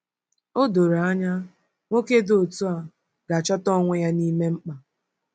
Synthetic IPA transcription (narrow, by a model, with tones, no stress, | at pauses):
o˦do˨ɾa˦ɲa˦ | ŋʷo˦ke˦do˦o˨tu˦a˨ | ɡ̥a˨t͡ʃɔ˦tɔ˦ŋʷe˦ja˦ni˦me˦ŋ͡m̩˦k͡pa˨